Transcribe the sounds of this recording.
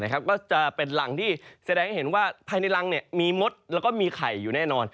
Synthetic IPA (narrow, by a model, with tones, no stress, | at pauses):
na˦˥kʰa˦˥p̚kɔː˥˩t͡ɕa˨˩pe˧nla˩˦ŋt̪ʰiː˥˩sa˧dɛː˧ŋha˥˩jɦe˩˦nwaː˥˩pʰaː˧jna˧jla˧ŋni˥˩əmiː˧mo˦˥t̪̚lɛː˦˥wkɔː˥˩miː˧kʰa˨˩jːuː˨˩˦nɛː˥˩nɔː˧n